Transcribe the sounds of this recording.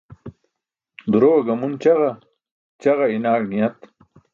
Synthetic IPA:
d̪uɾowɐɡɐmunt͡ɕɐɣɐ | t͡ɕɐɣɐinaːɡnijɐt̪

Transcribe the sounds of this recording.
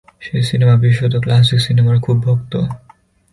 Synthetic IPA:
ʃejsinemabiʃːot̪oklas̬iksinemaɾkʰubːʱok̚t̪o

